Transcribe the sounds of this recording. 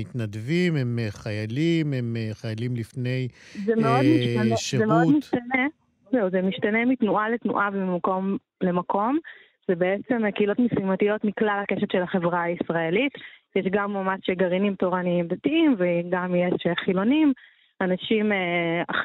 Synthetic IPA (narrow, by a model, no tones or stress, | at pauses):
it̪nadvimemχajalimemχajalimlifnejzemeo̞d̪miʃtaeʃezemeodmiʃt̪ane | zewzemiʃtanemitnuʔaletnṵʔabimako̞m | le̞mako̞m | zebeet͡se̞mkeilo̞tmisimatijo̞tmiklalakeʃetʃe̞laχe̞vʁaːisʁae̞litjeʃɡamːamaʃʃeɡaʁinimto̞ʁaniimdatiimveɡamjeʃeχilo̞nim | anaʃimea